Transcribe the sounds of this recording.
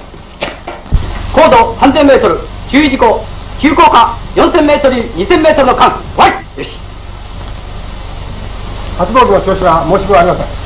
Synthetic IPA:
koːd̪o̞sãnzẽ̞mːe̞ːt̪oɾɯ̟t͡ɕɨːiʑiɡo̞kʲɨːko̞ːkajõñsẽmːe̞ːt̪o̞ɾɯɲ̟isẽ̞mːe̞ːt̪o̞ɾɯ̟no̞kãŋ | βaijɯɕi̥ | hat͡sɨboːɡɯnoɕoːɕiβamo̞ːɕi̥koaɾimasẽŋ̃

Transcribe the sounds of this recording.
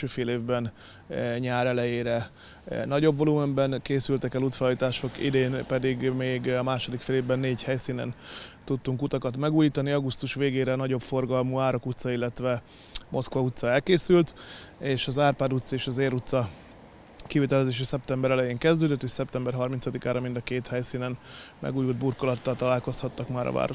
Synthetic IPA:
øːfeːleːvbɛn | ɲaːɾɛlɛjeːɾɛ | nɒɟo̞bvo̞lumɛmbɛnkeːsylt̪ɛkɛluːt̪fɛlɒjit̪aːʃo̞kḭd̪eːnpɛd̪iɡmeːɡɒmaːʃo̞d̪ikfeːleːvbɛnːeːɟhɛjsiːnɛ̰nt̪ut̪ːuŋkut̪ɒkɒt̪mɛɡuːjiːt̪ɒniɒɡust̪uʃʋeːɡeːɾɛnɒɟo̞pfo̞rɡɒlmuːaːɾokut̪sɒilːɛt̪ʋɛ | mʔo̞skʋɒut̪sɒɛlkeːsylt̪eːʃɒzaːrpaːd̪ut̪seːʃɒzeːɾut̪sɒ | kivit̪ɛlɛzeːʃ̬isɛp̚t̪ɛmbɛɾɛlɛjeːŋkɛzd̪øːd̪øt̪ːeːʃsɛp̚t̪ɛmbɛrɦɒrmint̪sɒd̪ikaːɾɒmind̪ɒkeːt̪hɛjsiːnɛnmɛ̰ɡuːjuld̪̚burkolɒt̪ːɒlt̪ɒlaːlko̞shɒt̪ːɒkmaːɾɒ̰va̰ːɾo

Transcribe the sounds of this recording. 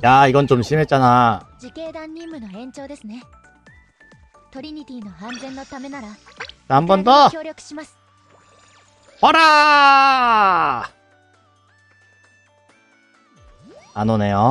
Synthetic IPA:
jaːiɡʌnt͡ɕomɕʰimɦe̞t͡ɕ͈anad͡ʑike̞ːd̪ãɲːĩmːɯnoẽ̞ɲt͡ɕo̞ːd̪e̞sɨne̞ | t̪o̞ɾʲiɲ̟it̪ʲiːnoãnd͡zẽ̞nːo̞t̪ame̞naɾa | t͡ɕahambondojo̞ːɾʲokɯ̥ɕimasɨ̥ | hoɾa | anone̞jo

